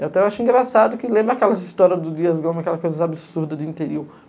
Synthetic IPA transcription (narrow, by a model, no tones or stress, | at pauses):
eat̪ɛwaʃĩɡɾasad̪ʊkɪlẽmbɾɐakɛlɐzist̪ɔɾiɐzd̪ʊd̪iɐzɡõmɪakɛlɐskojzɐabɪsuɾd̪ɐd̪ɪĩnt̪eɾiw